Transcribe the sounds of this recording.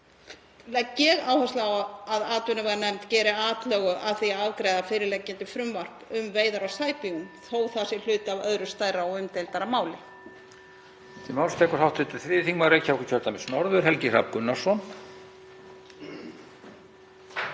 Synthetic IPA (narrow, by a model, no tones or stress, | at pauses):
lɛcːɛɣaːwhast̪laawaðaːt̪ʏnʏvaɾnɛmt̪cɛːɾɪaːt̪lœːɣʏaðθiaawkɾeːjðafɪːɾɪɾlɛcːɪnt̪ɪfɾʏmvar̥pʏmveːjðaɾawsaːjpiunθoːwθasɪl̥ʏːt̪avœðɾʏst̪aːjɾaɔʏmt̪ejlt̪aɾamaːwlɪ | t̪imawlst̪ʰɛːkɔɾawt̪lʏt̪ɪθɾɪːθiŋmaðɾeːjcʰːavɛkɪ̥cʰœɾ̥t̪amɪsnɔɾðʏɾ̥ɦɛlcɪra̰p̚kʏnːasɔn